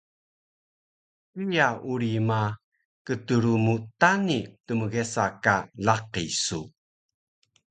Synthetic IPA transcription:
pijauɾima | kətəɾumutanitəməɣesakalaqḭsu

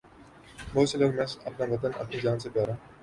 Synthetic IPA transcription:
moːsələɾmɛsɐpnaʋɐt̪ənɐ̰pnid͡ʒaːnsebaːɾãː

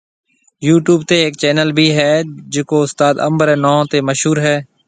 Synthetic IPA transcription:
juːʈjuːb̚t̪eːeːk̚t͡ʃɛːnəlbʱiːɦɛːd͡ʒɪkoːʊst̪aːd̪ə̰mbəɾɛːnɔ̃ːt̪eːməʃɦuːɾɦɛː

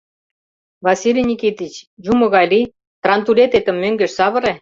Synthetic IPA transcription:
vɑsʲilʲinʲikit̪it͡ɕjumɤ̆ɣɑjli | t̪rɑnt̪ulʲet̪et̪ə̆mːøŋɡɘ̆ʃsɑβɤ̆ɾe

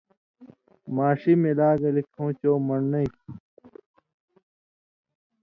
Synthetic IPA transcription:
maːɕimelaːɡɐlikʰõːt͡ɕoːmɐɳnɐik

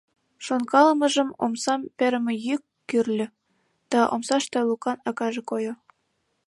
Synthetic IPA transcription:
ʃonkɑlmə̆ʒə̆mo̰msɑmpĕɾə̆mĕjykːyrlʲø̆ | d̪̥ɑʔo̰msɑʃt̪elukɑnɑkɑʒĕkojo

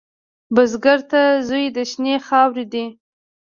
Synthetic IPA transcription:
bəzɡaɾt̪azujd̪əʃnexɑwɾid̪i

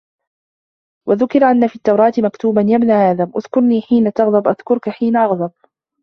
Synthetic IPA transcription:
waðʊkɪɾʔanːafiːt̪ːɑwɾˤɑːt̪ɪmakt̪uːbanjabnaːhaːðaʔʊðkʊɾniːħiːnat̪ɑɣðˤɑbʔaðkʊɾkaħiːnaʔɑɣd̪ˤɑb̚

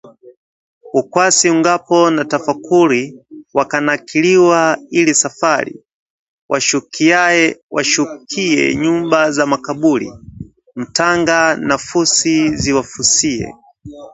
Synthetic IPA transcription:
ukwasiuŋɡapɔnatafakuɾiwakanakiliwailisafaɾḭ | wʔaʃukʰiajɛwaʃukʰiɛ̰ɲumbazamakaɓulḭ | m̩taŋɡanafusiziwafusiɛ̰

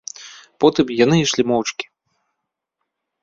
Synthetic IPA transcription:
pɔt̪ɨmjan̪ɨiʂlʲimɔwt͡ʂkʲi̥

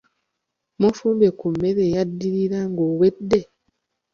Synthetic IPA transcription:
mofuːmbekumːeɾejadːiɾiɾaŋɡowedːe̞

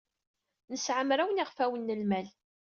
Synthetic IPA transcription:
nəsʕəmɾawəniʁfæwənːəlmæl

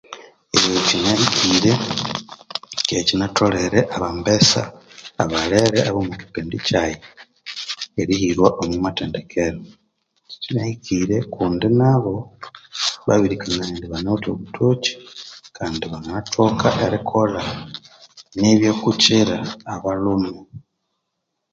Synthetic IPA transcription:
ejocinaikʰiːɾe̞ | ecinatʰo̞leɾeʔaβambesa̰ːβaleɾeaβomuki̥peːndicaje | eɾihiɾwaʔomwimateːnde̞kʰeɾo | cinaikʰiɾe̞kʰuːndinaβo̞ | βa̰βiɾikʰaŋɡaendiβanoto̞̰βutʰot͡ʃi̥kʰaːndiβanatʰokaʔeɾikʰola | neβjoːkut͡ʃiɾaːβalumu

